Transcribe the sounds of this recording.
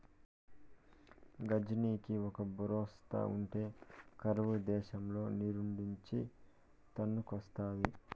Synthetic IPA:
ɡɐd͡ʒɐniːkiɔkɐbuɾɔːst̪ʰɐ̰uɳʈe̞ːkɐɾʋud̪ɛːʃɐmlo̞ːniɾuɳɖiɲt͡ʃi | t̪ɐnːukɐst̪aːji

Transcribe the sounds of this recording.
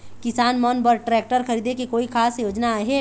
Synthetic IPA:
kɪsaːnmɔːnbəɾʈɾɛːk̚ʈəɾxɐɾiːd̪ʱekekoːikʰaːsjoːd͡ʒnaɦeː

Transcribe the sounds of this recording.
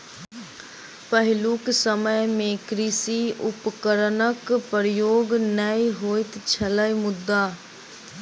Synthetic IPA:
pəɦɪluksəməjmẽːkɾiːsiːʊpkəɾnəkpəɾjoːɡnəiɦoːɪt̪t͡ʃʰələjmʊd̪ːaː

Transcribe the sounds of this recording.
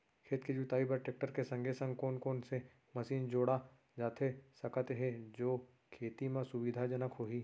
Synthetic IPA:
kʰeːt̪ked͡ʒut̪aːibəɾʈeːk̚ʈəɾkesɐ̃ŋɡʱesə̃ŋɡkoːnkoːnse | mɐsiːnd͡ʒoːɽa | d͡ʒaːt̪ʰesɐkət̪ɦɛ̃d͡ʒoː | kʰeːt̪imãsʊʋid̪ʱad͡ʒɐnəkɦoːɦiː

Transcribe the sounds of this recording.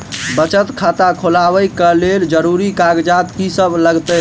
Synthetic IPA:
bət͡ʃət̪kʰat̪akʰolabəjkəleld͡ʒəɾuɾikaɡd͡ʒat̪kisəbʱləɡt̪ə

